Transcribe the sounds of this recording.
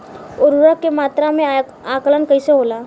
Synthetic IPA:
ʊɾɾəkːemaːt̪ɾamẽ | aːkələnkəiseɦoːlaː

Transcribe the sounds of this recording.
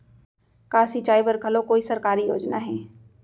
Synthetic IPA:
kaːsit͡ʃaːibɐɾkʰɐlokoːisɐɾkaːɾijo̰ːd͡ʒnaɦɛː

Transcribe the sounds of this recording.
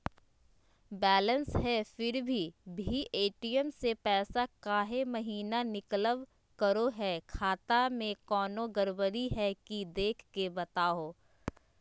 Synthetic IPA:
bɛːlə̃nsɦɛfɪɾbʱibʱiʔeːʈijəmsepɛːsakaːɦemɐɦiːnanɪkləʋ | kəɾoɦɛkʰaːt̪amẽkɔːnoɡəɾbəɾiɦɛkid̪eːkʰkebɐt̪aːoː

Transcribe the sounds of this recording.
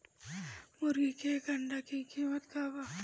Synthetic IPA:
mʊɾɡikeɡɐɳɖakikiːmət̪kaːba

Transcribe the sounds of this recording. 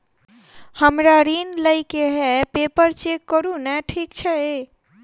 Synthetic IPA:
həmɾaɾinləjkeɦɛpepəɾt͡ʃekːəɾunɛʈʰikt͡ʃʰɛe

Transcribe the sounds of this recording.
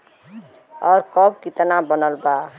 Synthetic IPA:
ɔɾkɔb̚kit̪nabənəlba

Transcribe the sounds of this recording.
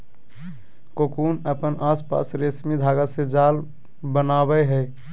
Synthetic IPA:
kokunəpənʔaspa̰sɾesmid̪ʱaɡəsed͡ʒal | bənabəɦəɪ

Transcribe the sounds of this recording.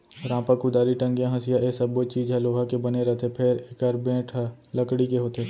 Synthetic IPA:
ɾãːpəkʊd̪aːɾiʈə̃ŋɡjãɦɐsɪjaʔesɐbot͡ʃiːd͡ʒɦɛloːɦakebɐneɾɐt̪ʰepʰɪɾekəɾbẽːʈʰlɐkɽikeɦoːt̪eː

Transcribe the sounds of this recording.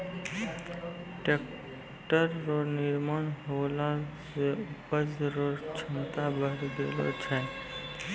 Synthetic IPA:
ʈek | ʈəɾːonɪɾmanɦolasepəd͡ʒɾoɾt͡ʃʰənt̪abəɦɾd̪ḛlo̰t͡ʃʰɛ

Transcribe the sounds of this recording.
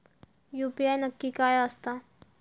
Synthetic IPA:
jʊpjajnakːɪkajast̪a

